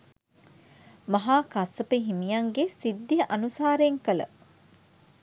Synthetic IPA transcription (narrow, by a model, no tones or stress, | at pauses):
mɐɦaːkɐsːəpiɦimijɐŋɡesid̪ːijəʔɐnusaːɾeːŋkələ̰